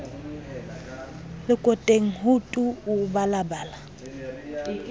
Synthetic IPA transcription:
lɪkʼɔtʼeŋ̩ɦʊtʼʊːbalabaːla

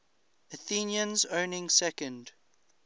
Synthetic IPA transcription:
əθĩːnjə̃nzõʊnɪ̃ŋsɛkə̃nd

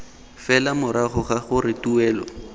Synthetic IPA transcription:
fɛlamʊɾaχʊχaχʊɾɪtuɛːlɔ̰

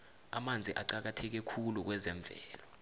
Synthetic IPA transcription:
a̰mand͡zʱiʔaǀak̬atʰɛk̬ɛkʰuluk̬wɛzɛɱb̪vʱɛːlɔ

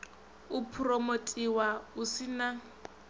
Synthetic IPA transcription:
upʰuromotʼiwausina

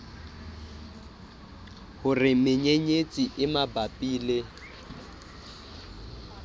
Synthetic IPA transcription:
hʊrɪmɪɲeɲet͡sʼiʔɪmabapʼiːle

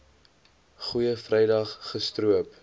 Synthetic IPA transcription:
χujəfrɛjdɐχːəstruəp

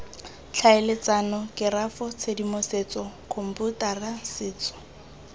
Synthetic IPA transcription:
t͡ɬʰaɪlet͡sanɔkɪrafɔt͡sʰedimoset͡sɔkʰom̩putarasɪːt͡sɔ̥

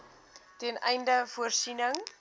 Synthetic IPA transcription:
tɛnɛjndəfuərsinəŋ

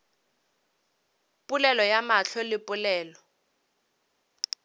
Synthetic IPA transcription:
pʼʊlɛlɔjamaɬɔlɪpʼʊlɛːlɔ

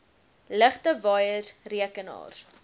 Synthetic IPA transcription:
ləχtəvɑːjərriəkənɑ̰ːr

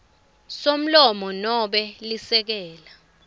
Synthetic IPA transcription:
som̩lɔmɔnɔɓɛlisɛk̬ɛːla

